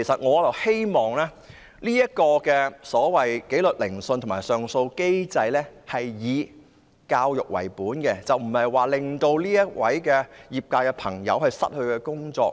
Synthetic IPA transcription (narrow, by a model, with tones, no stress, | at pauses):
e˨˩jsɐ˨t̚ŋɔː˨˧t͡sɐ˨whe˥jmɔː˨˩ŋlɛː˥ | liː˥jɐ˥t̚kɔː˧kɛː˧sɔː˨˥wɐ˨jke˨˥jlɵ˨t̚lɪ˨˩ŋsɵ˧nt̪ʰmaː˨˩jsœː˨ŋso˧wke˥jt͡sɐ˧jlɛː˥hɐ˨jjiː˨˧ | kaː˧wjʊ˨k̚wɐ̰˨˩jpuː˨˥nkɛ˧t͡sɐ˨wm̩˨˩hɐ˨jwaː˨˩lɪ˨ŋt̪o˧wliː˥jɐ˥t̚wɐ̰˨˥jkɛː˧jiː˨p̚kaː˧jkɛ˧pʰɐ˨˩ŋjɐ̰˨˧whɐ˨jsɐ̰˥t̚hɵ˧ɥkɛː˧kʊ˥ŋt͡sɔ̰ː˧k̚